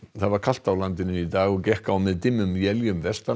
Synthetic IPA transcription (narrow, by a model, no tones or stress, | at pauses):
θaðvaɾkʰal̥t̪awlant̪ɪnɪit̪aːɣɔɣcɛhkawmɛðt̪ɪmːʏmjɛljʏmvɛst̪a